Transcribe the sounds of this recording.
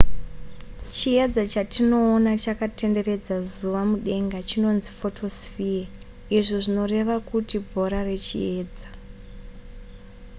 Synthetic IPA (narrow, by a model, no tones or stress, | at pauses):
t͡ʃie̞d͡zat͡ʃatino̞ːnat͡ʃakate̞nde̞re̞d͡zazuʋamuɗe̞ŋɡat͡ʃino̞nzifo̞tʰo̞sfia | iʐoʐino̞re̞ʋakutibʱo̞ɾare̞t͡ʃḭe̞ːd͡za